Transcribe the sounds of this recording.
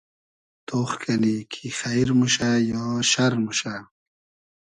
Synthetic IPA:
t̪oːχkʰɐnikʰixajɾmuʃajɔːʃaɾmuʃa

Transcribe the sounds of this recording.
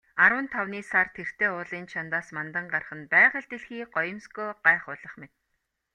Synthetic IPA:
aɾwə̆nt̪ʰawniːsart̪ʰer̥t̪ʰeːʊːɮiːnt͡ɕʰant̪aːsmant̪ə̆ɴɢar̆χə̆npæːʁə̆ɮt̪eɮxiːɢɔjə̆mskoːɢaːχʊɮə̆χmet̪̚

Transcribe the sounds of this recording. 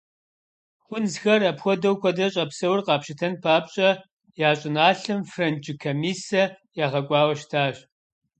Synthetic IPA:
χʷʊnzxɐrɐpxʷɔdɐwkʷɔdɐɕʼɐpsɐwrqɑːpʃɪtʰɐnpʰaːpɕʼɐ | jaːɕʼɪnaːɬɨmfrɐnd͡ʒʼɪkʰɐmiːsɐ | jaːʁɐkʷʼɑːwɐʃtʰaːɕ

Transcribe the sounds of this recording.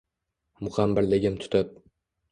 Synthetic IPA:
mʊχamːɪɾlɪɡʲɪmt̪ʰʊ̥t̪ɪp̚

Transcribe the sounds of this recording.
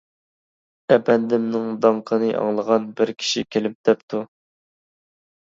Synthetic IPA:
ɛbɛnd̪ɪmnɨŋd̪ɑɴqʰənɨʔɑ̰ŋlˠəʁɑnbɪɾkʲʰi̥ʃikʲʰelɪp̚d̪̥ɛpt̪ʰu

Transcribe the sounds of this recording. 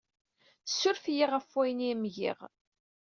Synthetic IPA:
θə̥sːʊɾfjiʁæfːwæjnimʝḭʁ

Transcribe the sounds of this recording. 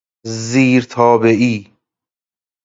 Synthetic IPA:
ziːɾt̪ʰɒːbeʔiː

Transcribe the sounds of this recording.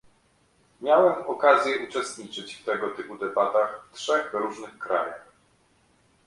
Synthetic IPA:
mʲjawɛmɔkazʲjɛʔut͡ʂɛst̪ɲit͡ʂɘt͡ɕft̪ɛɡɔt̪ɘpud̪ɛbat̪axftʂɛɣvɾuʐnɘxkɾa̰ja̰x

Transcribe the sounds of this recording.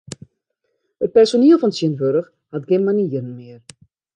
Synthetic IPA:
ət̚pɛrsoniəlˠfɔnsiənʋøɾəx | hatɡɪənmaniːərn̩mɪər

